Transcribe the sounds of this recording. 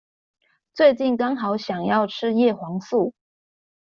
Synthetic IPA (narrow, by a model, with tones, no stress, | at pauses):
t͡swe˥˧ɪt͡ɕi˥˩nkɑ˥ŋxɑ˨˩˥ʊɕjɑ˨˩ŋjɑ˥˩ʊʈ͡ʂʰɻ̩˥jɛ˥˩xwɑ˧˥ŋsu˥˩